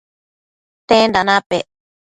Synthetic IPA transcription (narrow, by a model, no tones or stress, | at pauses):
t̪ẽnd̪anãpe